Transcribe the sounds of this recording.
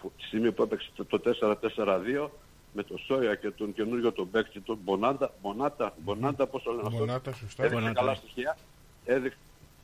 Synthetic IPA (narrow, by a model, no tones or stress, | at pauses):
put̪i̥simepuepekse̥t̪t̪ot̪e̞se̞ɾɐt̪e̞se̞ɾɐðio̞ | me̞t̪o̞so̞jɐce̞t̪oŋce̞nuɾʝo̞t̪obe̞ksit̪obonɐnd̪ɐmo̞nɐd̪̥ɐbo̞nɐnd̪ɐpo̞solenɐft̪oeðiksekɐlɐst̪içiɐ | e̞ðiks